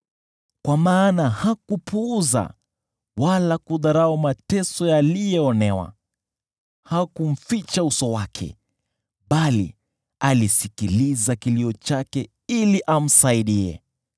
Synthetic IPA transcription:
kwamaːnahakupuːza̰ | walakuðaɾaɔmatɛsɔjalijɛɔnɛwa̰ | hakum̩fit͡ʃausɔwakʰɛ̰ | ɓalḭ | alisikilizakiliɔt͡ʃakɛ | iliʔam̩saiɗiɛ̰

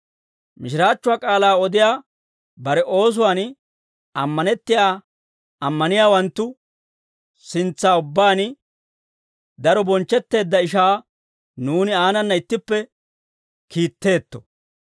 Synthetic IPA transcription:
mɪʃɪɾaːt͡ʃːʊwaːkʼaːlaːɔd̪ɪjaː | bɐɾɛʔo̞ːs̬ʊwaːn | ɐmːɐnɛt̪ːɪjaː | ɐmːɐnɪjaːwɐnt̪ːʊ | sɪnt͡sːaːʊbːaːn | d̪ɐɾɔbɔnt͡ʃːɛt̪ːe̞ːd̪ːɐɪʃ̬aː | nuːnɪaːnɐnːɐɪt̪ːɪpːɛ | kʰiːt̪ːe̞ːt̪ːɔ̥

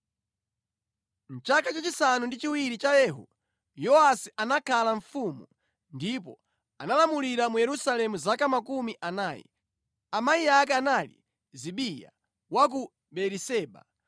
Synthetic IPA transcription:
m̩t͡ʃakat͡ʃat͡ʃisanundit͡ʃiwiɾit͡ʃajɛːɦṵ | jɔasiʔanakʰalaɱfumu | ndip̬ɔ̰ | analamuliɾamujɛɾusalɛmuzakamakumiʔanaːjɛ̰ | amaiak̬ɛanalḭ | ziɓija̰ | wak̬u | ɓɛɾisɛːɓa̰

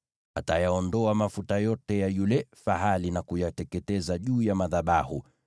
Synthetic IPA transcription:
a̰tajaɔndɔamafutajɔtɛjajulɛfaɦalinakujatɛkɛtɛzaʄuːjamaðaɓahṵ

